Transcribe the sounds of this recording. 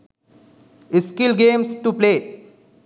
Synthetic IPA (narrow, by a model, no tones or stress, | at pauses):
ɪskɪlɡẽːmsʈupleː